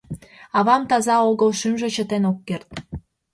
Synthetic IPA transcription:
ɑβɑmt̪ɑzɑoɣəlʃymʒĕt͡ɕət̪enokːert̪̚

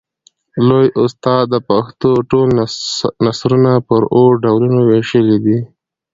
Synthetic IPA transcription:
lojʊst̪ɑd̪ːəpaxt̪oʈolnasɾunapəɾoɾɖawlunoweʃəlid̪i

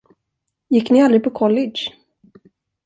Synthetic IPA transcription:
jɪkːnɪald̪ɾɪɡ̚pʰɔkʰɔlːɪʃ

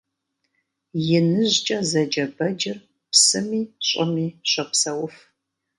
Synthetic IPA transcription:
jɪnɨʑt͡ʃʼɐzɐd͡ʒɐbɐd͡ʒɪr | psɨmiːɕʼɐmiːɕʷʼɐpsɐwʊf

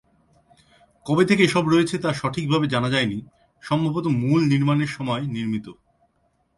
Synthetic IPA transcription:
kɔbet̪ʰekeeʃɔbɾɔet͡ɕʰet̪aʃɔʈʰik̚bʱabed͡ʑanad͡ʑaeni | ʃɔmbʱabot̪omulniɾmaneɾʃɔmɔeniɾmit̪o

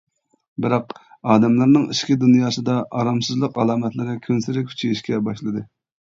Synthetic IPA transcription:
bɪɾɑq | ɑːd̪ɛmlˠɨɾnɨŋiʃkʲid̪unjɑːsɨd̪ɑʔɑɾɑmsɨzlˠəqɑlˠɑːmɛt̪lɪɾɪkʲʰønsɪɾɪkʲʰy̥t͡ʃʰejiʃkʲɛbɑʃlˠɨd̪ɨ

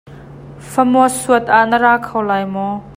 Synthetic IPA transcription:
fɐmɔəsuət̪̚ʔaʔnəɾaːkʰɐwlaːjmɔ

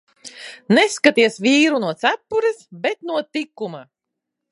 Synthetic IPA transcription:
neskat̪iɛsvʲiːɾunuɔt̪sæpːuɾɛsbet̪nuɔt̪ikːuma

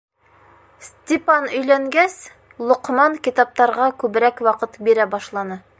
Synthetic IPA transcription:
sʲt̪ʲepanɵ̆jlæŋɡæs | lˠŏqmɑŋkit̪ɑp̚t̪ɑɾʁɑkʉβɘ̆ɾækwɑqɤt̪biɾæbɑʃlˠɑnɤ

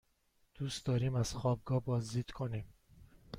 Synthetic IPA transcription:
d̪̥uːst̪d̪ɒːɾiːmæz̥xɒːb̚ɡɒːbɒːzd̪iːd̪̥kʰo̞niːm

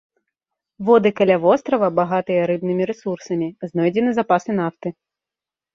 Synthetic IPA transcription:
vɔd̪ɨkɐlʲavɔst̪ɾɐvɐbaɣat̪ɨjɐɾɨbnɨmʲiɾɛsursɐmʲiznɔjd͡zʲɛnɨzapasɨn̪aft̪ɨ

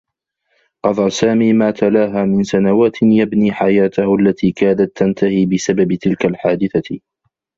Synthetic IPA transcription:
qɑðˤɑsaːmiːmaːt̪ʰalaːɦaːmɪnsanawaːt̪jabniːħajaːt̪ʊhʔalːat̪iːkaːd̪at̪ːant̪ahiːbɪsababt̪ɪlkalħaːd̪ɪθa

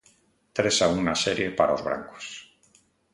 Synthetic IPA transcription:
t̪ɾesaunaseɾjepaɾaozβɾa̰ŋko̥s

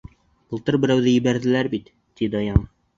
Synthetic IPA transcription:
b̥ɤ̆lˠt̪ɤɾbɘ̆ɾæwðɘjɘ̆bæɾðɘ̆læɾbit̪ːid̪ɒjɑm

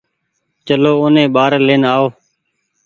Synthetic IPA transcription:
t͡ʃəloːonẽːɓaːɾleːnaːoː

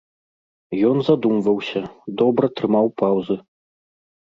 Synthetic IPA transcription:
jɔnzad̪umvɐwsʲɐd̪ɔbɾɐt̪ɾɨmawpawzɨ

